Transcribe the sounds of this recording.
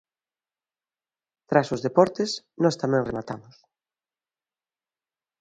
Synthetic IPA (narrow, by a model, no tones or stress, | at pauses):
t̪ɾasʊzðepɔɾt̪es | nɔst̪amɛ̃ŋremat̪amʊs